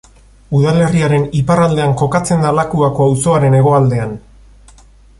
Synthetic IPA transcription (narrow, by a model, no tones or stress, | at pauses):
uðale̞riaɾe̞niparald̪e̞aŋko̞kat͡se̞nd̪alakuako̞awso̞aɾe̞ne̞ɣ̞o̞ald̪e̞an